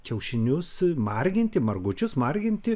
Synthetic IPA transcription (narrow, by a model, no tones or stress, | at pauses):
kʲɛʊʃʲɪnʲʊsmɐrʲɡʲɪnʲt̪ʲɪmɐrɡʊt͡ʃʲʊsmɐrʲɡʲɪnʲt̪ʲɪ